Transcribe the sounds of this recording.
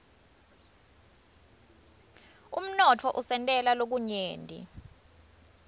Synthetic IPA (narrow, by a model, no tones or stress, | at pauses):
um̩nɔtʰɔʔusɛntʼɛlalok̬uɲeːndʱḭ